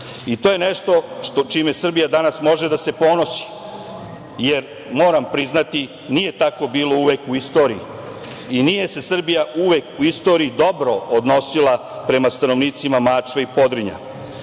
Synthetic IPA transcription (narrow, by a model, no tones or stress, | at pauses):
it̪oje̞neʃt̪o̞ʂt̪ot͡ʃimesr̩bijad̪anasmo̞ʒe̞d̪ase̞po̞no̞si̥ | jeɾ | mo̞ːɾampɾiznat̪i | nije̞t̪ako̞biːlˠo̞uʋekuist̪o̞ːɾii | inije̞se̞sr̩bijauʋekuist̪o̞ːɾiːd̪o̞bɾo̞od̪no̞silˠa | pɾe̞mast̪ano̞ʋniːt̪simamaːt͡ʃʋeipo̞d̪ɾiɲa̰